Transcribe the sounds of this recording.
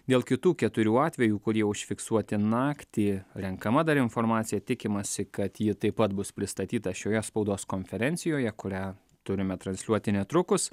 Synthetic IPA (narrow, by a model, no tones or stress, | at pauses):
d̪ʲeːlˠkʲɪt̪uːkʲɛt̪ʊɾʲuːɑːt̪ʲʋʲɛjuːkʊɾʲiɛʊʃʲfʲɪksuɔt̪ʲɪnɑːkt̪ʲiːɾʲɛŋkɐmɐd̪ɐɾɪnfoɾmɑːt̪sʲɪjɛt̪ʲɪkʲɪmɐsʲɪkɐt̪jɪt̪ɐɪpːɐt̪bʊspʲɾʲɪst̪ɐt̪ʲiːt̪ɐʃʲoːjɛspɐʊd̪oːskoːnʲfʲɛɾʲɛnʲsʲɪjoːjɛkʊɾʲæː | t̪ʊɾʲɪmʲɛt̪ɾɐnslʲuɔt̪ʲɪnʲɛt̪ɾʊkʊs